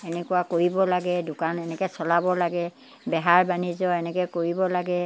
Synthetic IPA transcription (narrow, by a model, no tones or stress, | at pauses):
ɛnɛkuwakoɹibɔlaɡɛdʊkanɛnɛkɔsɔlabɔlaɡɛ | bɛɦaɹbanizɔɛnɛkɛkoɹibɔlaɡɛ